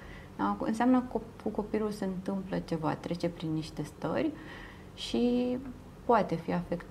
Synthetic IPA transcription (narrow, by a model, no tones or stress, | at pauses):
aɨ̰nseamnəkokuko̞pilulseɨnt̪ɨmplət͡ʃe̞va̰t̪ɾe̞t͡ʃe̞pɾinːiʃt̪e̞st̪ə̰rʲ | ʃi | poat̪e̞fiafe̞kt̪